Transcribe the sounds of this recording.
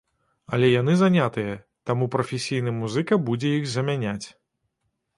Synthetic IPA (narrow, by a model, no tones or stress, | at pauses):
ɐlʲɛjan̪ɨzanʲat̪ɨjɐ | t̪amupɾɐfʲɛsʲijn̪ɨmuzɨkɐbud͡zʲɛjixzɐmʲanʲat͡sʲ